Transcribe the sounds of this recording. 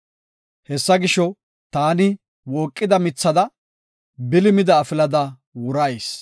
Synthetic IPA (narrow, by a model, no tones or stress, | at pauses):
hɛsːɐɡɪʃɔ | t̪aːnɪ | wɔːkʼːɪd̪ɐmɪt͡sːɐd̪ɐ | bɪlɪmɪd̪ɐːfɪlɐd̪ɐ | wʊɾɐjs